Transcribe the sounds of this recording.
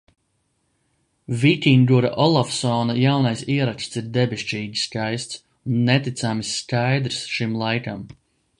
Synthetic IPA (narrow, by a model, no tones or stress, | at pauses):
vit̪ʲind̪uɾa̰ʔɔlˠafsɔːnajawnajsiɛɾakst̪siɾd̪ebʲeʃt͡ʃiːɡʲiskajst̪s | unːɛt̪it̪samisːkajd̪ɾsʃimlˠajkam